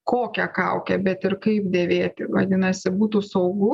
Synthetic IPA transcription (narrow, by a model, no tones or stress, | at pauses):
koːkʲɛkɐʊkʲɛbʲɛt̪ɪɾkɐɪpd̪ʲeːʋʲeːt̪ʲɪʋɐ̰d̪ʲɪnɐsʲɪbuːt̪uːsɐʊɡʊ